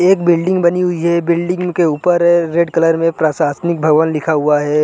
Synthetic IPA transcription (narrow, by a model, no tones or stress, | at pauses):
eːk̚bɪlɖɪ̃ŋɡbɐniɦʊiɦɛbɪlɖɪ̃ŋɡkeuːpəɾɾeɖkɐləɾmẽpɾaːsaːsnɪk̚bʱɐɡʋanlɪkʰaɦuaɦɛː